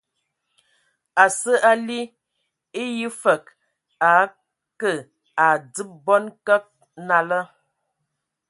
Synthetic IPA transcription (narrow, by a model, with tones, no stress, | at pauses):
a˨sə˦ʔa˦li˦ | i˦ji˦fə˨k̚ | a˨˦ | kə˦˨ | a˨d͡zɨ˦p̚bɔ˦nkə˦k̚ | na˨lə˦